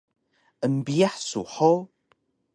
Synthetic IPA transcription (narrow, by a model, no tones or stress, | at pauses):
əmbiaħsṵħo